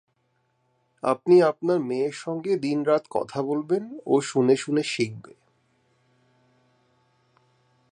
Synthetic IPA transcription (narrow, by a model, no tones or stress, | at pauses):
a̰pniapnaɾmeeɾʃɔŋɡed̪inɾat̪kɔ̰t̪ʰabolbeno̰ʃuneʃuneʃik̚be